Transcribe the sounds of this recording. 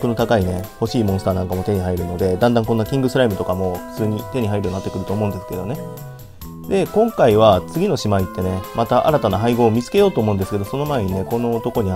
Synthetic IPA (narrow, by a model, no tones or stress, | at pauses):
kɯno̞t̪akaine̞ho̞ɕiːmõsɨ̥t̪aːnãŋkamot̪e̞ɲ̟ihaiɾɯ̟no̞d̪e̞d̪ãnd̪ãŋko̞nːakʲĩŋɡɯ̟sɨɾaimɯ̟t̪o̞kamo̞ɸɯ̟̥t͡sɨːɲ̟it̪e̞ɲ̟iɦaiɾɯonːat̪ːekɯ̟ɾɯ̟t̪o̞ːmo̞ɯ̟nd̪esɨ̥ke̞d̪o̞ne̞ | d̪e̞kõ̞ŋkaiβ̞at͡sɨɡʲino̞ɕimait̪ːe̞ne̞mat̪aʔa̰ɾat̪anaɦaiɡo̞ːmʲit͡sɨ̥ke̞jo̞ːt̪o̞ːmo̞ɯ̟nd̪sɨ̥keo̞so̞no̞mae̞ɲ̟ine̞ko̞no̞ːt̪o̞ko̞ɲ̟i